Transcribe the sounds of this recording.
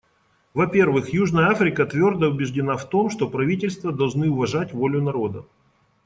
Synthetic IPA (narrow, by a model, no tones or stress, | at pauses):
vɐpʲe̞rvɨxjuʐnəjəafɾʲɪkət̪vʲo̞rd̪əʊbʲɪʐdʲɪnaft̪o̞mʂt̪o̞pɾɐvʲitʲɪlʲst̪vəd̪ɐlˠʐnɨʊvɐʐatʲvolʲʊnɐɾo̞d̪ə